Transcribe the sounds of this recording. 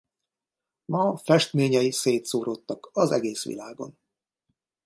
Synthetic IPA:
mɒfɛʃt̪meːɲɛjiseːt̪soːɾo̞t̪ːɒkɒzɛ̰ɡeːsʋḭlaːɡo̞̰n

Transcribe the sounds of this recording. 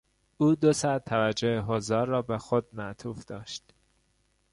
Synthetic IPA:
ʔuːd̪osæt̪ʰːævæd͡ʒoheɦozɒːɾːɒːbexod̪̚mæʔt̪ʰuːfd̪̥ɒːʃt̪

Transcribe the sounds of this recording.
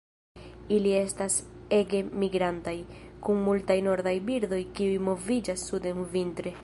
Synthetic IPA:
ilie̞stase̞ɡe̞miɡɾantajkunmultajno̞ɾd̪ajbiɾd̪o̞jkiujmo̞vid͡ʒasːudenvintɾe̞

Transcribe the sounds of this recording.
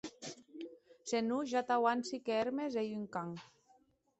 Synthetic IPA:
senuʒat̪awansikeeɾmezejyŋkaŋ

